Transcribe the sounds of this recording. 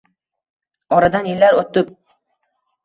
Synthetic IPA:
ɒɾad̪anjɪlːaɾot̪ːɪp̚

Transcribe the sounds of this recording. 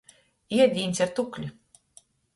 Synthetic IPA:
iɛd̪ʲiːnʲsʲiɾt̪uklʲi

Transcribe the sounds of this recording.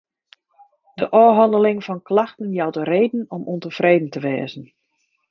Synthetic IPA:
d̥əʔɔːɦɑndəlɪŋfɔnklaxtənjawdəreːdn̩ɔmʔuntəfreːdən̩təʋɛːzən̩

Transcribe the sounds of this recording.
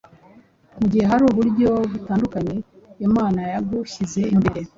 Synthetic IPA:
muɟihe̞ɦaɾuːβuɾɟo̞βutaːndukaɲe̞ | jomaːnajaɡuçize̞mbeɾe

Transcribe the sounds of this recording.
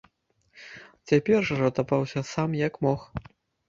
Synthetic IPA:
t͡sʲapʲɛrʐɐʐɐt̪apawsʲɐsamjɐkmɔx

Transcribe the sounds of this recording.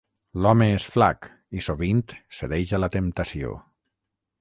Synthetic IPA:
lɔmeesfla̰k | isoβint̪seðejʃalat̪emt̪asio̰

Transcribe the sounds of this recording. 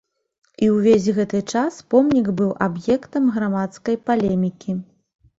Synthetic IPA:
iwvʲezʲɣɛt̪ɨt͡ʂaspɔmnʲiɡbɨwʔabjɛkt̪ɐmɣɾamat̪skɐjpalʲɛmʲikʲʰi

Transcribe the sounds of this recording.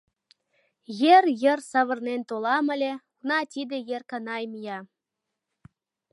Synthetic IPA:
jerjə̆rsɑβɤ̆rnent̪olɑmə̆lʲekunɑt̪ʲid̪ĕjerkɑnɑjmijɑ

